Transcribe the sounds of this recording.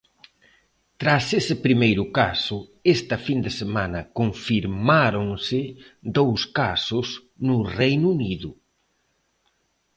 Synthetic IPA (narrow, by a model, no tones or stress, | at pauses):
t̪ɾasesɪpɾimejɾʊkasʊest̪ɐfind̪esemanɐkoɱfiɾmaɾoŋsɪd̪owskasʊs | nʊrejnuniðʊ